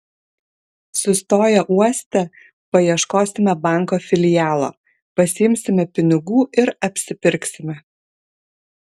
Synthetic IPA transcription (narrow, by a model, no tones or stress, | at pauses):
sʊst̪oːjɛʔuɔsʲt̪ʲɛ | pɐjiɛʃkoːsʲɪmʲɛbɑˑŋˑkoːfʲɪlʲɪjæːlˠo̰ː | pɐsʲɪɪmʲsʲɪmʲɛpʲɪnʲɪɡuːʔɪɾɐpʲsʲɪpʲɪɾʲksʲɪmʲɛ